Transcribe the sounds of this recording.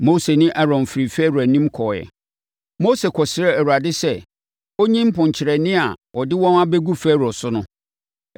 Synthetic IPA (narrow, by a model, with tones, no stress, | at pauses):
mo˦se˨nĩ˦ʔa˦ɾɔ̃˨nfɾi˨fæː˦ɾu˨æ˨nĩ˦mkʰɔː˨jɛ̰˨ | mo˦se˨kʰɔ˨sɪ˨ɾɛ˦æ˨wu˨ɾa˨dɪ˦sɛ˦ | o˦ɲĩ˦m̩˦pʊ̃˨ɲt͡ɕʰɪ˨ɾɛ˨nɪ̃˦a̰˨ɔ˨dɪ˦wɔ̃˦nã˦bɛ˦ɡu˦fæ˦ɾɔ˨sʊ˦nʊ̃˦